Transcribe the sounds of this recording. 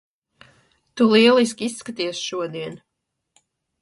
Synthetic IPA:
t̪ulˠiɛlˠis̬kʲiisːkat̪isʃuɔd̪iɛn

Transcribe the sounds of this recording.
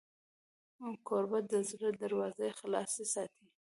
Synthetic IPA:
mukʰoɾbad̪əzɾəd̪aɾwɑzəjxlɑsesɑt̪ʰi

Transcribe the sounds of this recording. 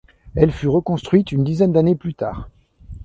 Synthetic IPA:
ɛlfyʁəkɔ̃st̪χɥit̪ynd̪izɛnd̪aneplyt̪a̰ːʁ

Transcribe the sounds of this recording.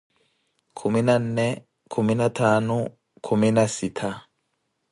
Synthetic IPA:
kʰuminanːɛ | kʰuminatʰaːnɔ | kʰuminasitʰa

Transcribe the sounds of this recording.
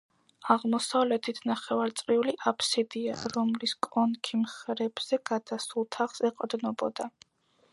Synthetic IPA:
aʁmɔsavlɛt̪ʰit̪ʰnaχɛvaɾt̪sʼɾiuliʔapʰsid̪ia̰ɾɔmliskʼɔnkʰimχɾɛb̥z̥ɛɡ̥ad̪̥asulˠt̪ʰaχsɛqʼd̪nɔbɔ̰d̪a

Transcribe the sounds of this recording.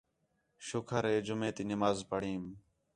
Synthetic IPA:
ʃʊkʰəɾeːd͡ʒʊmẽːt̪iːnɪmaːzpəɽ̤iːm

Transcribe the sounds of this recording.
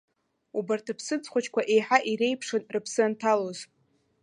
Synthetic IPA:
ubartʰapʰsɨt͡sʰʼχʷat͡ʃʰkʷaʔe̞jħaʔiɾejpʰʂɨnrɨpʰsɨantʰaloz

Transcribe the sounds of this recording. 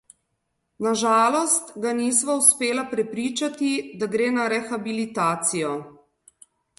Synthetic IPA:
naʒaːlɔst̪ɡaniːsʋauspeːlapɾɛpɾiːt͡ʃat̪id̪aɡɾeːnaɾɛxabilit̪aːt̪sijɔ

